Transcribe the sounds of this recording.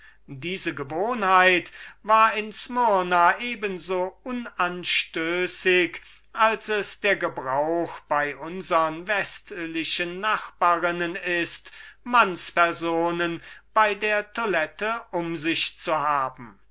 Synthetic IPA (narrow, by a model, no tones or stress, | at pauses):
diːzəɡəvoːnhaɪtvaːɐɪnsmɔnaʔeːbənzoːʔʊnanʃtøːsɪk | ʔalsɛsd̥eːɐɡəbʁaʊxb̥aɪʔʊnzəʁənvɛstlɪʃənːaχb̥aːʁɪnənɪstmanspɛɐzoːnənb̥aɪdeːɐtʰolɛtəʔʊmzɪʃt͡suɦaːbm̩